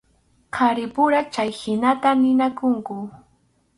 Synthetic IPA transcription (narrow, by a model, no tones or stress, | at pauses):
qʰɑɾɪpʊɾat͡ʃajhɪnat̪anɪnakʊŋkʊ